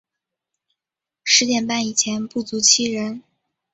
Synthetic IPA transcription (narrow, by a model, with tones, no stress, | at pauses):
ʂɻ̩˧˥t̪jɛ˨˩npa˥˩ni˨˩t͡ɕʰjɛ˧˥npu˥˩t͡su˧˥t͡ɕʰi˥˩ɻə˧˥n